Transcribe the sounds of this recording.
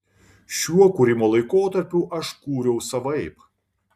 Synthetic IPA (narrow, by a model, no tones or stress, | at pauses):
ʃʲuɔkuːɾʲɪmoːlˠɐɪkoːt̪ɐɾʲpʲuːʔɐʃkuːɾʲɛʊsɐʋɐɪp